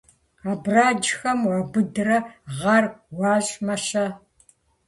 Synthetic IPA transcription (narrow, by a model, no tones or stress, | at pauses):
aːbraːd͡ʒxɐmwaɡʷʊdɨrɐʁɐrwɑːʑʼmɐʃɐ